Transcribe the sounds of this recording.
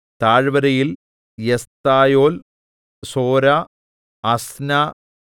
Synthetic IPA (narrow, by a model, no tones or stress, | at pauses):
t̪aːɻʋɐɾɐjil | jest̪aːjoːl | soːɾa | ɐsna